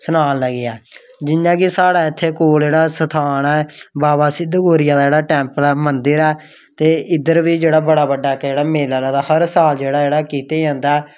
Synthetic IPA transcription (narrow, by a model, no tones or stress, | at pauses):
sənaːnləɡeɛː | d͡ʒɪnːãːkɪsaːɽaːɪt̪ʰːeːkoːld͡ʒeːɽaːsət̪ʰaːnɛːbaːbaːsɪd̪ːɡoːɾɪjãːd̪aːd͡ʒeːɽaːʈɛ̃ːmpəlɛːmənd̪əɾɛː | t̪eːɪd̪əɾbiːd͡ʒeːɽaːbəɽaːbəɖːaːkd͡ʒeːɽaːmeːlaːlaːd̪aːhəɾsaːld͡ʒeːɽaːd͡ʒeːɽaːkiːt̪eːd͡ʒãːnd̪aɛː